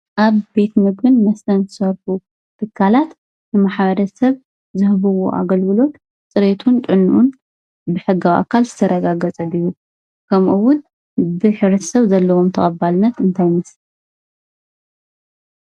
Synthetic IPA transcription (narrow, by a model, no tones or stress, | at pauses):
ʔaβbe̞t̪mɨɡbɨnmɐst̪ʰɐnzɨsɐɾħu | t̪ʰɨkʰːalat̪ | nɨmaħβɐɾɐsɐβ | zɨhβɐwo̰ʔa̰ɡɐlɡɨlo̞t̪ | t͡sʼɨɾet̪ʰunt̪ʼɨnːʔun | bɨħɨɡawʔa̰kʰːalzɨ̥t̪ʰɐɾɐɡaɡɐt͡sʼɐlɨju | kʰɐmʔuwʊn | bɨħɨβɾɐt̪sɐβzɐlːɐwo̞mt̪ʰɐχʼɐbalɨnːɐt̪ɨnt̪ʰajmɐsi